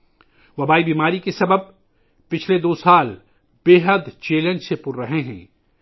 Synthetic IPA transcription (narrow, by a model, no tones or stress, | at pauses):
ʋɐbaːibiːmaːɾikesɐbəb̚ | pɪt͡ʃʰled̪oːsaːl | b̥eːɦəd̪t͡ʃeːlə̃nd͡ʒsepʊɾɾɐɦeɦɛ̰̃ː